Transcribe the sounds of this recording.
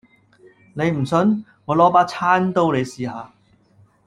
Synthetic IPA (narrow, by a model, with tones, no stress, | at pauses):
ne˨˧jm̩˨˩sɵ˨˧˥n | ŋɔː˨˧lɔː˥paː˥t͡sʰaː˥nt̪o˥wle˨˧jsiː˨haː˨˧